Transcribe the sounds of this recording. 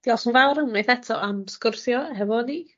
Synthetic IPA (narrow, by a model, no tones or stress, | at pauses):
d̥ialsunvawɾəmmejθɛtʰɔamskʊrθjɔɦɛvɔdi